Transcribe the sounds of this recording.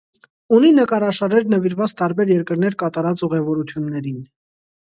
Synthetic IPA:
uninəkɑɾɑʃɑɾɛɾnəviɾvɑt͡st̪ɑɾbɛɾjɛɾkəɾnɛɾkɑt̪ɑɾɑt͡suʁɛvɔɾut̪ʰjunːɛɾin

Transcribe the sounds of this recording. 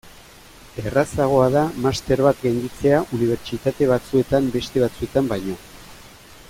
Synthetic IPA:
e̞rasaɣ̞o̞að̞amast̪e̞ɾβat̪ɡend̪it͡se̞aʔuniβ̞e̞ɾt͡ʃit̪at̪e̞β̞at͡sue̞t̪ambe̞st̪e̞β̞at͡sue̞t̪ambajɲo̞

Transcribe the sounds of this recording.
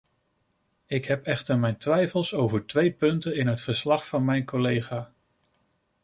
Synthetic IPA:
ɪkɦɛpɛχtəɹmɛjntʋɛjfəlˠsowvəɹtʋejpɵntənɪnɦətfəɹslɑχfɑnmɛjnkolejχaː

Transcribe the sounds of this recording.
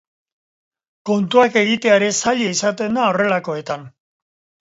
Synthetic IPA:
ko̞nt̪uake̞ɣit̪e̞aɾe̞saʎeisat̪e̞nd̪ao̞re̞lako̞e̞t̪an

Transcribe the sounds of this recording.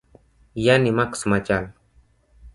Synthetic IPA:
janimaksmat͡ʃal

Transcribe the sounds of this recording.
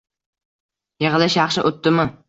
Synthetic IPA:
jeʁlɪʃjɑχʃɪʔot̪ːɪmɪ

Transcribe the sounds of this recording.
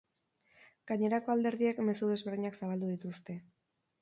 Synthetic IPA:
ɡ̥aɲe̞ɾako̞ald̪e̞ɾðiekme̞suðe̞zβe̞ɾðiɲaksaβ̞ald̪uðit̪ust̪e̞

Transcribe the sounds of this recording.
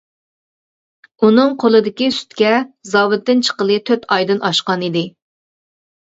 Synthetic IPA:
unɨŋqʰolˠɨd̪ɪkʲisy̥t̪kʲɛzɑːwɨt̪ːɪnt͡ʃʰə̥qəlˠɨt̪ʰøt̪ʰɑjd̪ɨnɑʃqɑnid̪ɪ

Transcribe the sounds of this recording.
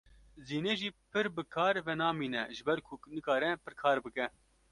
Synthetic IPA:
ziːneːʒiːpʰɨɾbɨkʰɑːɾvɛnɑːmiːnɛʒɨbɛɾkʰʊnɨkɑːɾɛpɨɾkʰɑːɾbɨkɛ

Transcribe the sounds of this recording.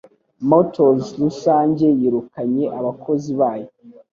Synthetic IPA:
motozlusaːɲɟe̞jiɾukaɲe̞ʔaβako̞ziβaːjo

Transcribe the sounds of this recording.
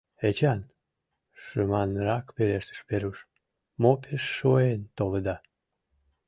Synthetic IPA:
et͡ɕɑn | ʃəmɑnɾɑkpeleʃt̪ə̥ʃpeɾuʃ | mopʰeʃːoent̪oled̪ɑ

